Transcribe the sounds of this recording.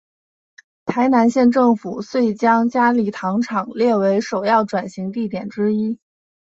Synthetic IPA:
t̪ʰa˧˥ɪna˧˥nɕjɛ˥˧nʈ͡ʂɤ˥˩ŋfu˨˩swe˥˩ɪt͡ɕjɑ˥ŋt͡ɕja˥li˧˥t̪ʰɑ˧˥ŋʈ͡ʂʰɑ˨˩ŋljɛ˥˩we˧˥ɪʂo˨˩ʊjɑ˥˩ʊʈ͡ʂwa˨˩nɕi˧˥ŋt̪i˥˩t̪jɛ˨˩nʈ͡ʂɻ̩˥i˥

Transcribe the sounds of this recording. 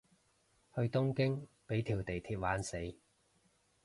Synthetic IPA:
hɵ˧ɥt̪ʊ˥ŋkɪ˥ŋpe˨˥jt̪ʰiː˨˩wt̪e˨˩jt̪ʰiː˧t̚waː˨˥nse˨˥j

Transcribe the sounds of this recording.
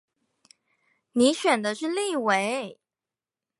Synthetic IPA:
ni˧˥ɕɥɛ˨˩nd̪ə˦ʂɻ̩˥˧li˥˩we˧˥ɪ

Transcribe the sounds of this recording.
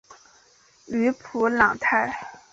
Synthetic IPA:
y˧˥pʰu˧˥lɑ˨˩ŋt̪ʰa˥˩ɪ

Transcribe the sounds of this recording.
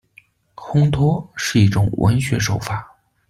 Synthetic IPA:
xʊ˥ŋt̪ʰɔ˥ʂɻ̩˥˧i˥˩ʈ͡ʂʊ˨˩ŋwʔə̰˧˥nɕɥɛ˧˥ʂo˨˩ʊfa˨˩˦

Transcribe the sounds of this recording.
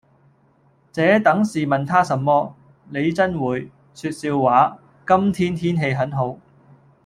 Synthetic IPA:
t͡sɛː˨˥t̪ɐ˨˥ŋsiː˨˩mɐ˨nt̪ʰaː˥sɐ˨˧mːɔː˥ | ne˨˧jt͡sɐ˥nwuː˨˧j | syː˧t̚siː˧wːaː˨˧˥ | kɐ˥mt̪ʰiː˥nt̪ʰiː˥nɦe˧jɦɐ˨˥nɦo˨˥w

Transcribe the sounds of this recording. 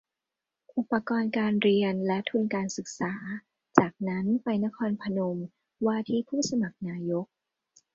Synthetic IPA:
ʔu˨˩pːa˧kɔː˧nkaː˧nɾi˧ənlɛ˦˥t̪ʰu˧nkaː˧nsɯ˨˩k̚saː˩˦ | t͡ɕaː˨˩k̚na˦˥npa˧jna˦˥kʰɔː˧npʰa˧no˧m | waː˥˩t̪ʰiː˥˩pʰuː˥˩sa˧ma˨˩k̚naː˧jo˦˥k̚

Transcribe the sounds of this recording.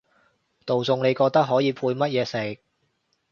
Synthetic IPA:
t̪o˨wt͡sʊ˧ŋne˨˧jkɔː˧k̚t̪ɐ˥k̚ɦɔː˨˥jiː˨˧pʰuː˧jmɐ˥t̚jɛː˨˧sɪ˨˩k̚

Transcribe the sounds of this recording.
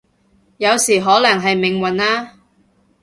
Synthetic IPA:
jɐ˨˧wsiː˨˩ɦɔː˨˥lɐ˨˩ŋɦɐ˨jmɪ˨ŋwɐ˨naː˥

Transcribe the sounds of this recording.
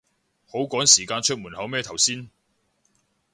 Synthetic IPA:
ho˨˥wkɔː˨˥ŋsiː˨˩kaː˧nt͡ʃʰɵ˥t̚muː˨˩nhɐ˨˥wmɛː˥˧t̪ʰɐ˨˩wsiː˥n

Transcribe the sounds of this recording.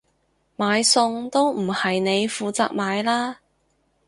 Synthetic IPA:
maː˨˧jsʊ˧ŋt̪o˥wm̩˨˩hɐ˨jne˨˧jfuː˨˧t͡sa̰ː˨k̚maː˨˧jlaː˥

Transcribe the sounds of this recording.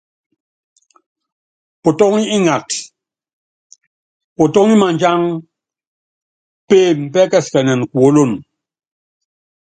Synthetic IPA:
po˨tɔ˦ŋi˦i˦ŋa˨t | po˨tɔ˦ŋi˦ma˨ɲd͡ʒa˦ŋ | pe˦˨m̩˨pɛ˦kɛ˦˨skɛ˨nɛ˨n˨ku˨o˦lo˦˨n

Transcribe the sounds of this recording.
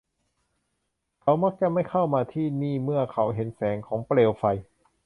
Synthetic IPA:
kʰa˨˦wma˦˥k̚t͡ɕa˧ma˥˩jkʰa˥˩wmaː˧t̪ʰiː˥˩niː˥˩mɯ˥˩ɐkʰa˨˩˥wɦe˨˩˦nsɛː˩˦ŋkʰɔː˩˦ŋpleː˧wfa˧j

